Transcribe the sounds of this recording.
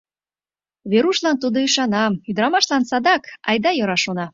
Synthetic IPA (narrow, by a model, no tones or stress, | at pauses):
βeɾuʃlɑnt̪ud̪oiʃɑnɑyd̪əɾɑmɑʃlɑnsɑd̪ɑkɑjd̪ɑjoɾɑʃonɑ